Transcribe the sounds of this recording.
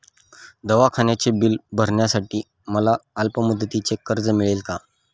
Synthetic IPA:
d̪əʋakʰaɳjat͡sebilbʱəɾɳjasaʈiː | məlaəlpəmud̪ːət̪it͡sekəɾd͡zəmiɭelka

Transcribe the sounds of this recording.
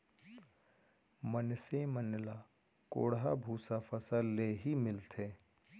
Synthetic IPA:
mənsemənla | ko̰ːɽɦabʱuːsafʰəsəlːeːɦimɪlt̪ʰeː

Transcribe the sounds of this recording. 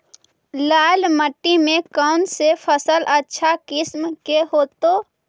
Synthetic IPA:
laːlməʈːimẽkaʊnsepʰəsəlʔətːʃʰakɪsmkeɦoːt̪oː

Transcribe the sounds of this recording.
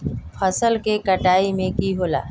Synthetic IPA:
fʰəsəlkekəʈaːimẽkiɦoːla̰ː

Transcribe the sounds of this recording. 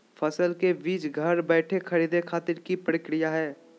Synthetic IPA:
fʰɐsəlkebiːt͡ʃɡʱɐɾbɛːʈʰekʰɐɾiːd̪ekʰaːt̪ɪɾkipɾəkɾijaɦɛː

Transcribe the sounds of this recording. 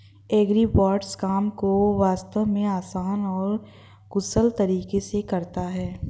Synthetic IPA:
eːɡɾipaːɾɖskaːmkoʋaːst̪əʋmẽaːsaːnɔːɾ | ɡʊsəlt̪ɐɾiːkesekɐɾt̪aɦɛː

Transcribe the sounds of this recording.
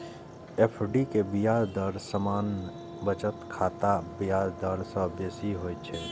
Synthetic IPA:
eːpʰɖikebijaːɾd̪əɾsəmaːn | bət͡ʃət̪kʰaːt̪abijaːɾd̪əɾsəbjeːsiɦoːjt͡ʃʰe

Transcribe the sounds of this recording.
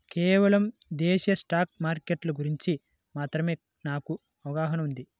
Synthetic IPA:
keːʋɐlɐmd̪eːʃɐsʈaːk̚maːɾkeʈlɐɡuɾiɲt͡ʃi | maːt̪ɾɐme̞ː | naːku | ɐʋɐɡaːɦɐnɐmund̪i

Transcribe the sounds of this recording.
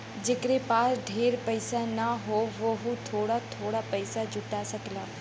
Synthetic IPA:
d͡ʒekɾepaːɾɖʱeːɾpəɪsanaɦoʋəɦũt̪ʰoːɽat̪ʰoːɽapəɪsad͡ʒʊʈasəklaː

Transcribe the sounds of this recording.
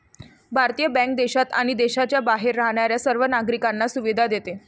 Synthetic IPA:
bʱaɾt̪ijəbæ̃ŋk̚d̪eɕat̪a̰ɽ̃id̪eɕat͡ɕjabaɦeɾːaɦɳ̃aɾjasəɾʋənaɡɾikanːasuʋid̪ʱad̪et̪e

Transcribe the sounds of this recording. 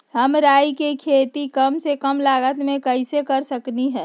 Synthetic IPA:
həmɾaːjkekʰet̪ikəmsekəmlaːɡət̪mẽkəɪsekəɾsəkniɦɛ̃ː

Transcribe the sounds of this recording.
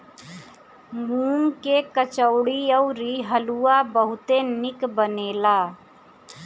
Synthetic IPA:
ɡuːmkekət͡ʃəʊɽiəʊɾiɦəluabəɦʊt̪enɪkbəneːlaː

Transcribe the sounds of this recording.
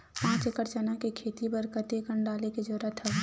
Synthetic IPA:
pãːt͡ʃekəɾt͡ʃənakekʰeːt̪ibəɾkət̪ekəɳɖaːleked͡ʒoːɾət̪ʰɛ

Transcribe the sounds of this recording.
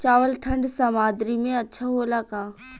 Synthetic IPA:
t͡ʃaːʋəlʈʰɐ̃ɳɖsamaːd̪ɾimẽɐtːʃʰaɦolaɡaː

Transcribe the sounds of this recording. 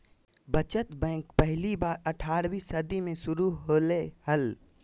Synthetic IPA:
bət͡ʃət̪bɛ̃ːkpɛɦlibaːɾɐʈʰaːɾbiːsəd̪imẽʃʊɾuɦolehəl

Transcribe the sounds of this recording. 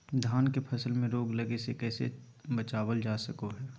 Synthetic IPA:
d̪ʱaːnkepʰɐsəlmẽɾoːɡlɐɡesekɛːsḛ | bət͡ʃaːwəld͡ʒaːsəkoɦɛː

